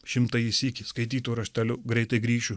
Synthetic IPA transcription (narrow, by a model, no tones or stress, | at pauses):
ʃʲɪmt̪ɐɪɪsʲikʲɪskɐɪt̪ʲiːt̪uːɾɐʃʲt̪ʲɛlʲʊɡɾʲɛɪt̪ɐɪɡɾʲiːʃʲu